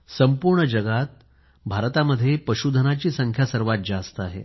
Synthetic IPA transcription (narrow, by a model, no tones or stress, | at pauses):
səmpuɾɳəd͡ʑəɡat̪̚ | bʱaɾt̪aməd̪ʱːjepəɕud̪ʱənat͡ɕiːsəŋkʰjasəɾʋat̪̚d͡ʑast̪əaɦḛ